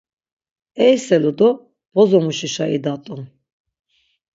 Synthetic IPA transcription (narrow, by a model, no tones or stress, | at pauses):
ɛjsɛlud̪ɔ | b̥ɔzɔmuʃiʃaʔid̪at̪ʼum